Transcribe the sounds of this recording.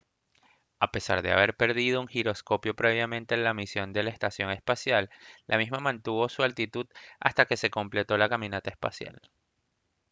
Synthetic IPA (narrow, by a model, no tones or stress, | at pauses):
ape̞sa̰ɾðe̞a̰β̞e̞ɾpe̞ɾðið̞o̞uŋxiɾo̞sko̞pjo̞pɾe̞β̞jamẽ̞nt̪eːnlamisjo̞nd̪e̞laest̪asjo̞ŋe̞spasjalːʔa̰mizmamãnt̪uβo̞sualt̪it̪uða̰st̪ake̞se̞ko̞mple̞t̪o̞lakamĩnat̪ae̞spa̰sja̰l